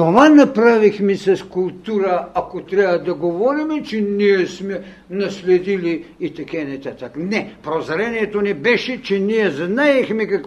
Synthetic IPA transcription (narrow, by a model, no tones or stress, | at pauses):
t̪ovanɐpɾavixmisɐskulˠt̪uɾɐakot̪ɾabɐd̪ɐɡovɔɾimɛt͡ʃɛniɛsmɛ | nɐslɛd̪iliːt̪ɐkanɛt̪at̪aknɛpɾozaɾɛniɛt̪onɛbɛʃɛt͡ʃɛniɛznaɛxmɛkak